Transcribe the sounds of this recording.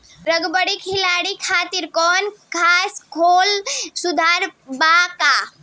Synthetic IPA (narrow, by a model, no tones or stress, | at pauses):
ɾəɡbəɽikʰilaɽikʰaːt̪iɾkɔnkʰaskʰolsud̪ʱaɾbaka